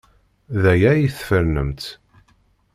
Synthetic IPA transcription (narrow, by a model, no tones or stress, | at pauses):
ðæjæjiθfəɾnəmt̪